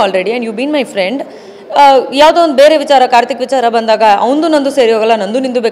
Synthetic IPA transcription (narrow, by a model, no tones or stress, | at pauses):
aːlɾeɽiɛ̃ɳɖjuːʋbiːnmɐjfɾeɳɖ | jaːʋd̪eʋond̪ube̞ːɾeʋit͡ʃaːɾɐkaːɾt̪ikʋit͡ʃaːɾɐbɐnd̪aːɡɐʔɐʋɐnd̪unɐnd̪useːɾijaːɡɐlːɐnɐnd̪unind̪ubek